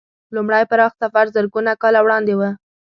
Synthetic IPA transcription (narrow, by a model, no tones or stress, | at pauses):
lumɽajpaɾɑxt̪safaɾzəɾɡunakɑlawɽɑnd̪ewə